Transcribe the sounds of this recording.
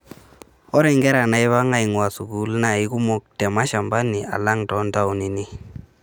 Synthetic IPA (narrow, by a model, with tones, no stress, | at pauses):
ɔ˦ɾɛ˨ŋɡɛ˦ɾa˨na˨˦ɪ˦βa˦ŋa˦i˨ŋwa˨su˨ɡu˦lna˨ɪ˦ku˦mɔ˦k̚tɛ˨ma˦ʃa˨mba˦ni˨ʔa̰˨la˦ŋtɔ˨˦nta˦wni˨ni˦